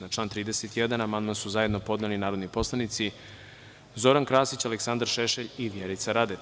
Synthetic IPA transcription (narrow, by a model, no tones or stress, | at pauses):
nat͡ʃlˠaːnt̪ɾiːd̪eset̪jed̪anamand̪mansuzaje̞d̪no̞po̞d̪nelinaːɾod̪nipo̞slˠanit̪si | zo̞ɾankɾaːsit͡ɕaleksand̪aɾʃeʃeʎiʋjeɾit̪saɾad̪e